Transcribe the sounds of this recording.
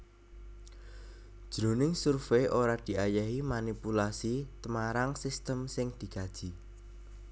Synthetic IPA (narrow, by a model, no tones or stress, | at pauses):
d̥ʒ̥ɾo̤nɪŋsurfeʔoɾad̪̥i̤ʔajaɦimanipulasit̪əmaɾaŋsist̪əmsɪŋd̪̥i̤ka̤d̥ʒ̥i̤